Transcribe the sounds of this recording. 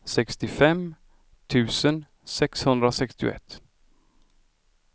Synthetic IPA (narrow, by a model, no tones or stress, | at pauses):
sɛkst̪ɪfɛm | t̪ʰʉ̟ːsən | sɛkshɵnd̪ɾasɛkst̪ɪʊ̰ɛ̰t̪ː